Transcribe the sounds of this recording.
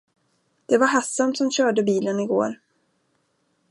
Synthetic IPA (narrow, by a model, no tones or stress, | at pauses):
d̪̥ɛvaɾɦasːamt̪sɔmɕœːɖəbiːlənɪɡo̰ːɾ